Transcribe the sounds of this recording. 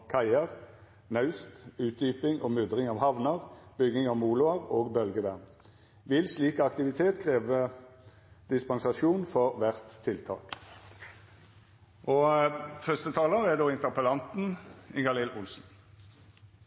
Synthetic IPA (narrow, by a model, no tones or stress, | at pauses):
kʰæɪəʁ | nɑʉst̪ʉːt̪̚d̪yːpɪŋʔoːmʉd̪ʁɪŋɑːʋhɑʋnəʁb̥ʏɡːɪŋɑːʋmuːlʊəʁoːɡbœlɡəʋæʁn | ʋɪlsliːkɑkt̪ɪʋɪt̪ʰeːt̪kʰʁeːʋə | d̪̥ɪspɑnsɑʃuːnfɔʁʋæʁt̪ʰːɪlt̪ʰɑ̰ːk | ʔoːfœst̪ət̪ʰɑːləʁæd̪oːɪnt̪əʁpəlɑnt̪n̩ɪɡɑlɪlʔʊlsn̩